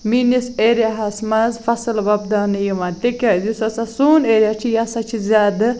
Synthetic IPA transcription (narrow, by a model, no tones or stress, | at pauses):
miniseːɾijaɦɐsmɐzfɐsɨlʋɐb̚d̪aːnɨjimɐt̪ekʲaːd̪usɐsɐsuːneːɾʲjat͡ʃʰijasɐt͡ʃʰizʲaːd̪ɨ